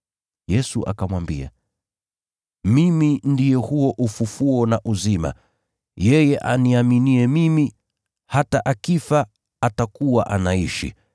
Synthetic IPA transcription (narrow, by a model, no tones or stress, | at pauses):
jɛsuʔa̰kamwambia̰ | mimindijɛhuɔʔufufuɔnaʔuzima̰ | jɛjɛʔaniaminiɛmimi | hataʔakifa | atakuwaʔanaiʃḭ